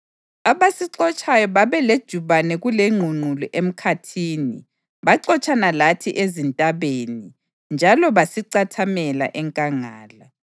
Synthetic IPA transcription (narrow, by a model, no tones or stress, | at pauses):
aβasiǀɔt͡ʃʼajɔβaβɛled̥ʒ̥ʱuβanɛɣuleŋ͡ǃʱuŋ͡ǃʱulɔʔem̩kʰatʰiːni | βaǀɔt͡ʃʼanalatʰiʔezintʼaβeni | nd͡ʒʱalɔβasiǀatʰamɛla̰ʔɛŋkʼaŋaːla